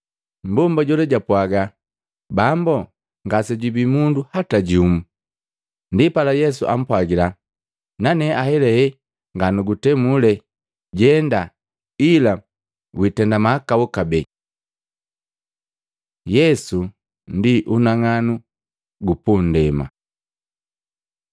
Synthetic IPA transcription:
mbɔmbaɟɔlɛɟapwaɡa | bambɔ | ŋɡasɛɟubimunduhataɟumu | ndipalajɛs̬ṵʔa̰m̩pwaɡila | nanɛʔahɛlɛhɛ | ŋɡanuɡutɛmulɛ | ɟɛnda | ila | witɛndamaːkaɔkabɛ | jɛsu | ndiʔunaŋanu | ɡupun̩dɛma̰

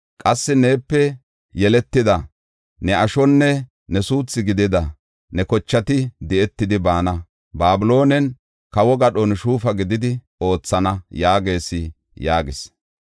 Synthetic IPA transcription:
kʼɐsːɪne̞ːpːɛ | jɛlɛt̪ːɪd̪ɐ | nɛɐʃɔnːɛ | nɛsuːt͡sːɪɡɪd̪ɪd̪ɐ | nɛkɔt͡ʃːɐt̪ɪd̪ɛɛt̪ːɪd̪ɪbaːnɐ | baːbʊlo̞ːnɛn | kɐwɔɡɐɗɔnʃuːfɐɡɪd̪ɪd̪ɪ | o̞ːt͡sːɐnɐjaːɡe̞ːsɪ | jaːɡɪs

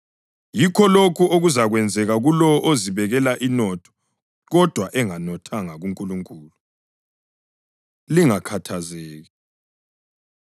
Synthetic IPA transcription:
jikʰɔlokʰuʔoɣuzaɣwɛnd͡zʱɛɣaɣulɔɔʔoziβɛɣɛlaʔinɔtʰɔ̥ | ɣɔd̥ʱwaʔɛŋanɔtʰaŋaɣuŋkʼuluŋkʼuːlu | liŋakʰatʰazɛːɣɛ

